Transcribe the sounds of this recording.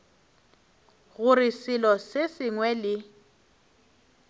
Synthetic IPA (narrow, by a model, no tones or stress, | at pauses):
ɣʊɾɪsɪlɔsesɪŋwɛlɪ